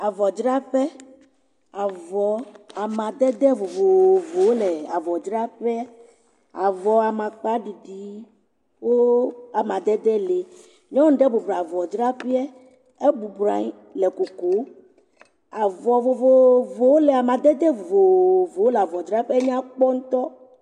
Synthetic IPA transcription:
a˨vɔ˨d͡ʒɾa˦ɸɛ˦ | a˨vɔ˨a˨mã˨d̪ɛ˦d̪ɛ˦vo˨vo˨vo˨wo˦lɛ˨a˨vɔ˨d͡ʒɾa˦ɸɛ˦ | a˨vɔ˨a˨mã˨k͡pa˦ɖi˨ɖi˨˦ | wo˦a˨mã˨d̪ɛ˦d̪ɛ˦le˨ | ɲɔ̃˦n̩˦ɖɛ˦bu˨bɾvɔ˨d͡ʒɾa˦ɸi˦ɛ˦ | e˦bu˨bɾa̰˨˦ɲ˦ | lɛ˨ko˨ko˨˦ | a˨vɔ˨vo˨vo˨vo˨wo˦lɛ˨a˨mã˨d̪ɛ˦d̪ɛ˦vo˨vo˨vo˨wo˦lɛ˨a˨vɔ˨d͡ʒɾa˦ɸɛ˦ɲ˦ã˦k͡pɔ˦ŋũ˦t̪ɔ˦

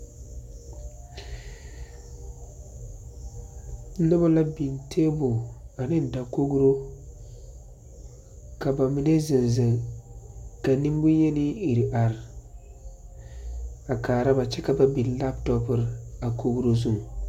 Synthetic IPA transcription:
nɨ˦ba˦la˦bi˨ntʰeː˦bʊ˨a˨nɪ˦da˨ko˦ɡu˦ɾo˦ | ka˨ba˨mi˨ne˦zɨ˨nzɨ˨ŋ | ka˨ni˦m˦bʊ˦jɛ˦ni˦i˨ɾi˨ʔa˨ɾ | a˨kaː˨ɾa˦ba˨t͡ʃɛ˦ka˨ba˦bi˨n˨la˦ptɔ˦pɨ˨ɾa˨kʰo˦ɡu˦ɾo˦zu˦˨ŋ˨

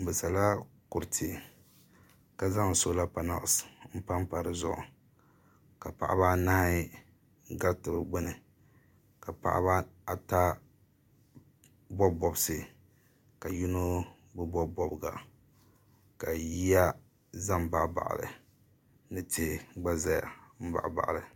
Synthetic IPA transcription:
bɨ˨sa˨la˦kʊ˨ɾtʰɪ˨ | ka˦za˦ŋ˨so˦la˦pa˨na̰˨ʔsm̩˦pa˦mpa˨ɾɨ˨zʊ̰˦ʔʊ̰˨ | ka˨pa̰˨ʔa̰˦ba˦na˦ha˦ | ɡa˦ɾtɨ˨bɾɨ˨ɡ͡bʊ˦nɨ˨ | ka˨pa̰˨ʔa̰˦ba˦a˨ta˦ | bɔ˦bɔ˨bsɨ˨ | ka˨ju˦no˦ | bʊ˦bɔ˦bɔ˦bɨ˨ɡa̰˨ | ka˨ji˦ja˦ | za˦m˨ba˨ʔba̰˨ʔa̰˨lɨ̰˨ | nɨ˦tɪ˦hɡ͡ba˦za˦ja̰˨m̩˦ba̰˨ʔba̰˨ʔa̰˨lɨ˨

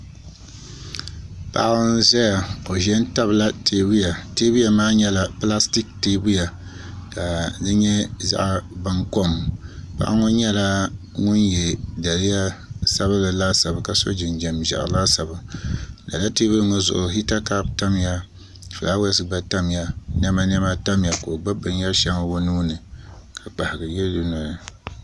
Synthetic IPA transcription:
pa̰˦˨ʔn˦zɛ˦ja˨ko˨ʒɛ˦n˦ta˦bla˦teː˨bu˦ja˨teː˦bu˦ja˨maː˦ɲɛ˦la˨pla˦sti˦k̚teː˦bu˦ja˨ | ka˨dɨ˦ɲɛ˦za̰˦ʔba˦ŋko˦m˨pa̰˦ʔa˦ŋɔ˦ɲɛ˦la˦ | ŋʊ˦njɛ˨da˨lɨ˦ja˦sa˦βa˦la˨laː˦sa˨ba˨ka˨so̰˦d͡ʒɪ˨nd͡ʒɛ˨mʒa̰˨ʔla˦sa˨ba˨da̰˨la˦te˦bu˦ŋɔ˦zʊ̰˨ʔʊ˨ɦi˦ta˦ka˦pta˦m˦ja˦ | fɨ˨la˦wɛ˦sɨ˦ɡ͡ba˦ta˦mja˦nɛ˦ma˦n˦ɛ˦ma˦ta˦mja˨ko˨ɡ͡ba˦bɨ˨nja˦ʃɛ˦m˦bo˦nuː˦nɨ˨kʰa˨k͡pa˨hɪ˨ɡɨ˨jɛ˦dɨ˨nɔ˨ɾɨ˨

